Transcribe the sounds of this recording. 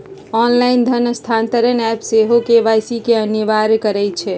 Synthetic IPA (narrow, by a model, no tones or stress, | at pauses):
ɔnlaɪnd̪ʱənəst̪ʰant̪əɾənɛpseɦokeʋajsikeənəʋaɾkəɾɛt͡ʃʰɛ